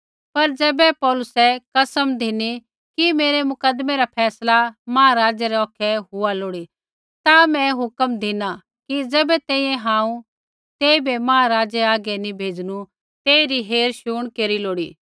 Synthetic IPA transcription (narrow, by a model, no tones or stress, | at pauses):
pɐɾd͡zɛːbɛpɔːlʊsɛkɐsəmd̪ʱini | kimeːɾemʊkəd̪meɾapʰɛːslamaːaɾaːd͡ʒɛɾɛɔːkʰɛɦʊaloːɽi | t̪amɛ̃ɦʊkəmd̪ʱɪna | kid͡zɛːbɛt̪ɛ̃ːĩjɛ̃ɦãːũ | t̪eːibʱemãːaɾaːd͡ʒɛaːɡɛnĩbʱeːd͡ʒnu | t̪eːiɾiɦeːɾʃuːɽ̃keːɾiloːɽiː